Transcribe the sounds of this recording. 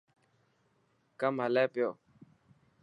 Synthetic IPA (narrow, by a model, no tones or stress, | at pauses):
kamalapeo